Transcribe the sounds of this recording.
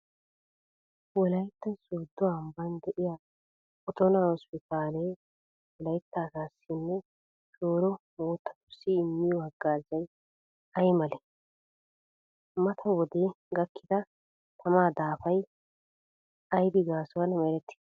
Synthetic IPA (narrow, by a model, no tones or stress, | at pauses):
wɔlɐjt̪ːɐnsoːd̪ːʊambɐnd̪ɛʔɪja | ɔt̪ɔnaɔspɪt̪ʰaːlej | wɔlɐjt̪ːaːsaːsːɪnːɛ | soːɾɔmoːt̪ːɐ̥t̪ʊsːiɪmːɪjɔɐɡːaːzɐj | ɐjmɐlɛ | mɐt̪ʰɐwɔd̪eː | ɡɐkːɪd̪ɐ | t̪ʰɐmaːd̪aːfɐj | ɐjbɪɡaːsɔɐnmɛɾɛt̪ːɪ̥